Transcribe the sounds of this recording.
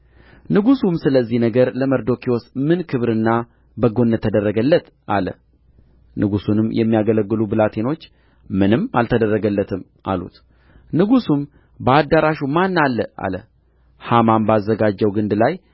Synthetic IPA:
nɨɡusumsɨləzːihnəɡəɾləməɾd̪o̞kʰio̞smɨnkʰɨβɾɨnːa | bəɡo̞nːət̪ʰːəd̪ərːəɡəlːət̪ | ʔalə̰ | nɨɡusunɨmjʔɛmːijaɡələɡːɨlubɨlat̪ʰe̞no̞t͡ʃː | mɨnɨmalt̪ʰəd̪ərːəɡəlːət̪ʰɨm | ʔa̰lṵt̪ | nɨɡusum | bəad̪ːaɾaʃumanːalːəʔa̰lə | hamambazːəɡad͡ʒːəwɡɨnd̪laj

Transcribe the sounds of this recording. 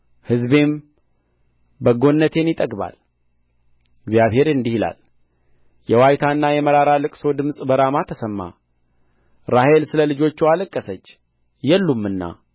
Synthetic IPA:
hɨzbe̞m | bəɡo̞nːət̪ʰe̞njɪt̪ʼəɡba̰l | ɡzjaβhe̞ɾɨnd̪ihila̰l | jɛwajt̪ʰanːajɛməɾaɾalɨkʼso̞d̪ɨmsʼbəɾamat̪ʰəsəmːa̰ | ɾahe̞lsɨləlɨd͡ʒo̞t͡ʃːualəkʼːəsət͡ʃː | jɛlːumːɨnːa̰

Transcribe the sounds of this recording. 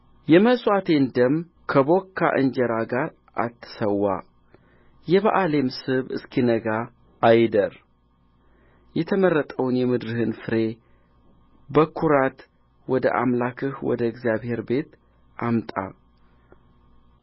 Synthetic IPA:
jɛməsʼwat̪ʰe̞nd̪əm | kʰəbo̞kʰːa̰ʔɨ̰nd͡ʒɛɾaɡaɾ | ʔa̰t̪ʰːɨ̥səwːa̰ | jɛβa̰ʔale̞msɨβɨ̰skʰinəɡaː | jd̪əɾ | jɛt̪ʰəmərːət̪ʼəwnjɛmɨd̪ɾɨhɨnfɨɾe̞ | bəkʰːuɾat̪ | wɔd̪ə̰ʔamlakʰɨhwɔ̰d̪əɡzijaβhe̞ɾbe̞t̪ | ʔamt̪ʼa̰

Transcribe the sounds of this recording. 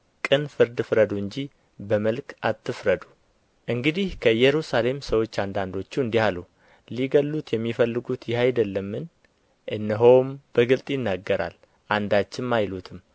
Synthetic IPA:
kʼɨnfɨɾd̪ɨfɾəd̪uɨɲd͡ʒi | bəməlkʰat̪ːɨfɾəd̪u̥ | ʔɨŋɡɨd̪ihkʰəɨjɛɾusale̞msəwo̞t͡ʃːand̪and̪o̞t͡ʃːuɨnd̪ihalu | liɡəlːut̪jɛmːifəlːɨɡut̪jɪhajd̪əlːəmːɨn | ʔɨnːəɦowmb̥əɡɨlt̪ʼjɪnːaɡːəɾa̰l | ʔand̪at͡ʃːɪmːajlut̪ʰɨm

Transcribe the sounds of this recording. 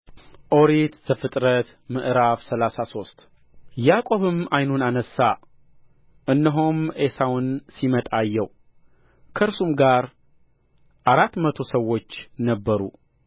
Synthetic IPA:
ʔo̞ɾet̪zəfɨt̪ʼɾət̪ | mɨʔɾafsəlasaso̞st̪ʼ | jakʼo̞βɨmajnunanəsːa | ɨnːəɦomesawnsimət̪ʼajːɛw | kʰəɾsumɡaɾ | ʔaɾat̪ːmət̪ʰo̞səwːo̞t͡ʃːnəbːəɾṵ

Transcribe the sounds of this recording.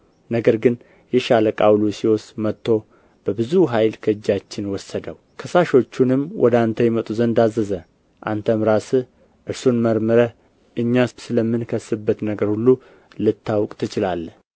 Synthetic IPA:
nəɡəɾɡɨn | jɛʃaləkʼawlusiwɔsmət̪ːo̞ | b̥əbɨzuɦajlkʰəɨd͡ʒːat͡ʃːɪnwɔsəd̪əw | kʰəsaʃo̞t͡ʃːunɨmwʔɔ̰d̪ant̪ʰəjɛmət̪ʼuzənd̪azəzə | ʔa̰nt̪ʰəmɾasɨ | ʔɨɾsunməɾmɨɾə | ʔɨɲːasɨləmːɨnkʰəsːɨbːət̪nəɡəɾhulːu | lɨt̪ʰːawkʼt̪ʰɨt͡ʃɪlalːə

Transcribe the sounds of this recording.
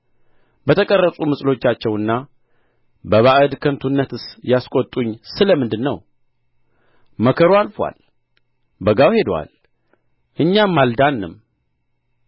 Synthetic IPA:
bət̪ʰəkʼərːəsʼumɨsʼlo̞t͡ʃːat͡ʃːɛwɨnːa | bəβaʔɨd̪kʰənt̪ʰunːət̪ʰɨsjaskʼot̪ʼːuɲːsɨləmɨnd̪ɨnːəw | məkʰəɾoalfwa̰l | bəɡawhe̞d̪wa̰l | ʔɨɲːamːald̪anːɨm

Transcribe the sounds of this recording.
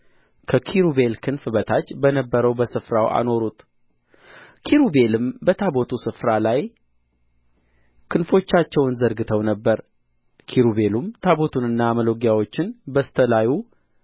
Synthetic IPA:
kʰəkʰiɾube̞lkʰɨnfɨbət̪ʰat͡ʃːbənəbːəɾəwbəsɨfɾawa̰no̞ɾut̪ʰ | kʰiɾube̞lɨmbət̪ʰabo̞t̪ʰusɨfɾalaj | kʰɨnfo̞t͡ʃːat͡ʃːɛwɨnzəɾɡɨt̪ʰəwnəbːəɾ | kʰiɾube̞lumt̪ʰabo̞t̪ʰunɨnːaməlo̞ɡjawo̞t͡ʃːɪnbəst̪ʰəlaju

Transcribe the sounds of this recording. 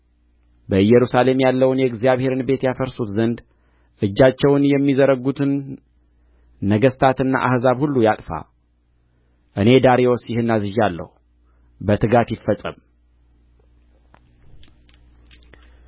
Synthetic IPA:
bəɨjɛɾusale̞mjalːəwnjɛɡzijaβhe̞ɾɨnbe̞t̪jafəɾsut̪zənd̪ | ʔɨd͡ʒːat͡ʃːɛwnjɛmːizəɾəɡut̪ʰɨn | əɡəst̪ʰat̪ɨnːa̰ʔahzaβhulːujat̪ʼfa̰ | ʔɨne̞d̪aɾewosjɪhɨnːazɨʒalːə̰hu | bət̪ʰɨɡat̪jɪfːəsʼəm

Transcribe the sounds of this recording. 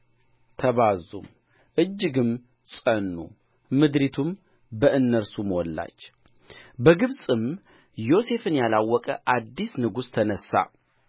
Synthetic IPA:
t̪ʰəβazṵm | ʔɨd͡ʒːɨɡɨm | sʼənːṵː | ɨd̪ɾit̪ʰum | bəʔɨnːəɾsumwɔlːa̰t͡ʃː | bəɡɨβsʼɨm | jo̞se̞fɨnjalawːɔkʼəʔad̪ːisnɨɡust̪ʰənəsːa̰

